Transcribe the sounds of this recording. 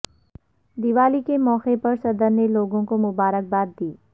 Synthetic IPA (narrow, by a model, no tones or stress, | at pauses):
d̪ɪʋaːlikemɔːxepɐɾsɐd̪əɾneloːɡõkomʊbaːɾək̚baːd̪̚ːiː